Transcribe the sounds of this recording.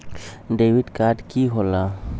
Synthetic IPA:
ɖewiɖkaɖkiɦola

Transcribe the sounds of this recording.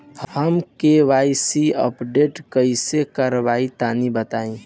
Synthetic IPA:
hhəmkeʋaisiə̰pɖeʈkəisekəɾbait̪anibət̪aĩ

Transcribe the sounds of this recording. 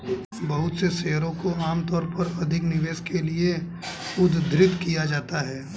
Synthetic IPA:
bɐɦʊt̪seseːɦɾõkoaːmt̪ɔːɾpɐɾɐd̪ʱɪknɪʋeːskʰelie | ʊd̪ʱd̪ʱɾɪt̪kijad͡ʒaːt̪aɦɛː

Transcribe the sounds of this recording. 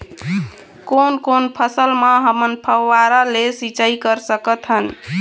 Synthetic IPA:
konkonpʰəsəlməɦəmənpʰəwːaɾalesit͡ʃaikəɾsəkət̪ɦən

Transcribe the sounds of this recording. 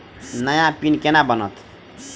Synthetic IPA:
najãpinkɛnabɔnɔ̰t̪

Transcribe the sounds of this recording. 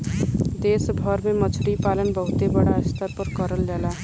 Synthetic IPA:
d̪eːsbʱəɾmẽmət͡ʃʰɽipaːlənbəɦʊt̪ebəɽaɪst̪əɾpəɾkəɾəld͡ʒɛːlaː

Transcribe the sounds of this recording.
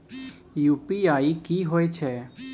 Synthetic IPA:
juːpiaːikiːɦoet͡ʃʰɛː

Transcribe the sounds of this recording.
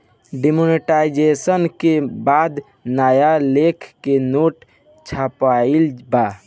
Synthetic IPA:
ɖimoneʈaid͡ʒesənkebad̪ | naːjalekʰkenoːʈ | t͡ʃʰapailba

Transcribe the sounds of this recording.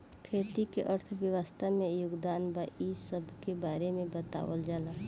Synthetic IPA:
kʰeːt̪ikeʔəɾt̪ʰʋjəʋəst̪ʰamẽjʊɡd̪aːnbaːʔisəbʱkebaːɾemẽbət̪a̰ːwə̰ld͡ʒaːlaː

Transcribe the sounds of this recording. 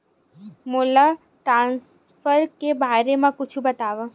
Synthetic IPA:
mola | ʈɾãns | fəɾkebʱaɾemãkʊt͡ʃʰũbət̪aʋə

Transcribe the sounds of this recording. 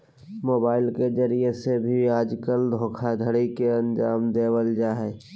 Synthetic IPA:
moːbaːɪlkezəɾiesebʱiaːd͡ʒkəld̪ʱoːkʰad̪ʱəɽikeə̃nd͡ʒaːmd̪eːwəld͡ʒaːɦɛː

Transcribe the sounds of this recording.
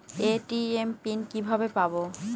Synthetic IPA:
eʈiempinkibʱabepabo

